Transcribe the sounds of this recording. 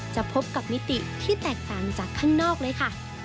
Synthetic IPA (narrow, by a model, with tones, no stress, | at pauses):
t͡ɕa˨˩ʔpʰo˦˥p̚ka˨˩p̚ni˦˥t̪i˨˩t̪ʰiː˥˩t̪ɛː˨˩k̚t̪aː˨˩ŋt͡ɕaː˨˩kʰːaː˥˩ŋnɔː˥˩k̚lɤː˧jkʰa˥˩